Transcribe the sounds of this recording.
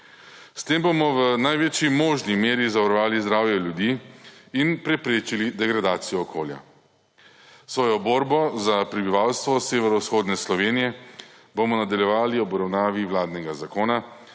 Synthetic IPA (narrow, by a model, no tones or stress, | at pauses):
st̪embomɔʋənajʋet͡ʃjimoːʒnimeːɾizaʋaɾɔʋaːlizd̪ɾaːwjɛljud̪iːinpɾɛpɾeːt͡ʃilid̪ɛɡɾad̪aːt̪sijɔːkʰoːlja̰ | sʋɔːjɔboːɾbɔzapɾɛbiʋawst̪ʋɔseːʋɛɾɔusxoːd̪nɛslɔʋeːnijɛ | bomɔnad̪aljɛʋaːliɔbɔɾawnaːʋiwlaːd̪nɛɡazakoːna